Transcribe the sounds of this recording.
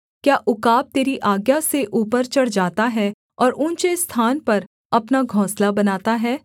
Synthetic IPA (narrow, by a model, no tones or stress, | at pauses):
kjaːʔʊkaːb̚t̪eːɾiʔaːɡjaseʔuːpəɾt͡ʃɐɽ̤d͡ʒaːt̪aɦɛ | ɔːɾʊ̃nt͡ʃest̪ʰaːnpɐɾ | ɐpnaɡʱɔ̃ːslabɐnaːt̪aɦɛː